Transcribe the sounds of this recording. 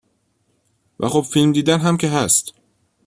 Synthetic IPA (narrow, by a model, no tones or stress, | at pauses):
væ̰χobfilmd̪iːd̪ænɦæmcʰeɦæst̪